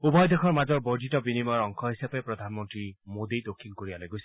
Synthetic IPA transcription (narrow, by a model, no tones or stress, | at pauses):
ubɔjd̪ekʰɔɹmazɔɹbɔdʱitɔbinimaɹɔŋkʰɔɦisapepɹɔd̪ʱanmɔntɹimod̪ijdokʰːinkoɹibalajɡosi̥